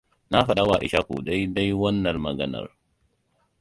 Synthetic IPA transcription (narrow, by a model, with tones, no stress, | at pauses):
na˦ɸɐ˦ɗa˦waː˨ʔɪ̰˨ʃa˦kṵː˨dɐ˦jdɐ˦jwɐ˦nːɐ˨lmɐ˨ɡɐ˦nɐ̰˨r